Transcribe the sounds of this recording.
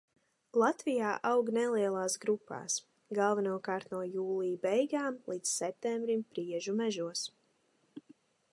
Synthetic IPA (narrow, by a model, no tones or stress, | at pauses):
lˠat̪vijaːʔawɡnɛlˠiɛlˠaːsɡɾupːa̰ːs | ɡalˠvɛnuɔkaːɾt̪nuɔjuːlˠijbɛjɡaːmlˠiːt̪ssɛp̚t̪ɛmbɾimpɾiɛʒumɛʒuɔs